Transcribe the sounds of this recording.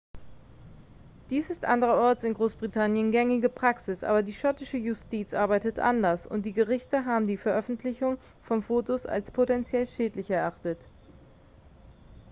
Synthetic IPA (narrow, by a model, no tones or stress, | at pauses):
d̥iːsɪstʔandəʁɐʔɔɐt͡sɪnɡʁoːsb̥ʁitʰanjənɡɛŋɪɡəpʁ̥aksɪsʔa̰ːbɐdiːʃɔtɪʃəjʊstiːt͡sʔaɐbaɪtətʔa̰ndɐsʊ̰nt̚d̥iːɡəʁɪçtəɦaːbm̩diːfɛɐʔœfn̩tʰlɪçʊŋ | fɔnfoːtosa̰lspʰotɛnt͡sjɛlʃɛːtlɪçɛɐʔaχtət